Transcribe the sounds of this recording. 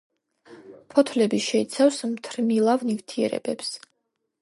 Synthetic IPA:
pʰɔt̪ʰlɛbiʃɛit̪sʰafsmt̪ʰɾnilˠavnivt̪ʰiɛ̰ɾɛ̰bɛps

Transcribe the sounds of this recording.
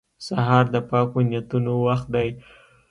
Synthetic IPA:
saɦɑɾd̪əpɑkonjat̪unowaxt̪̚d̪aj

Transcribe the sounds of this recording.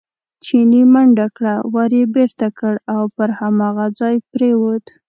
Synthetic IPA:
t͡ʃinimaɳɖakɽawaɾjebeɾt̪akəɽawpəɾhamɑɣad͡zɑjpɾewod̪

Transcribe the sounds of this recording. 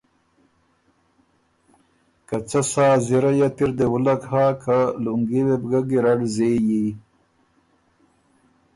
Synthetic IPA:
kat͡sasaːziɾajat̪iɾd̪ewulakhaːkaluŋɡiwebɡaɡiɾaɽzeːji

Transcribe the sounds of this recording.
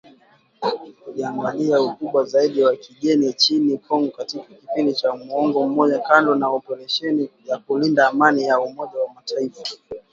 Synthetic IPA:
iliaŋɡaliaukuɓwazaiɗiwakiʄɛnit͡ʃinikʰɔŋɔkatikakipindit͡ʃamuɔŋɡɔm̩mɔʄakandɔnaɔpɛɾɛʃɛnijakulindaːmanijaumɔʄawamataifa

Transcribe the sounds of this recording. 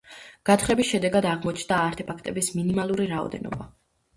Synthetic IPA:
ɡ̥at̪ʰχɛbisʃɛd̪ɛɡad̪aʁmɔt͡ʃʰnd̪aːɾt̪ʰɛpʰakʰt̪ʼɛbisminimalˠuɾiɾaɔ̰d̪ɛ̰nɔ̰ba

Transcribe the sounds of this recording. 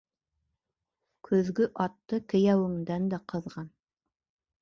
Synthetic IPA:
kʰɵ̆ðɡɵʔɑt̪ːɤkɘ̆jæwɘ̆ŋd̪ænd̪æqɤ̆ðʁɑn

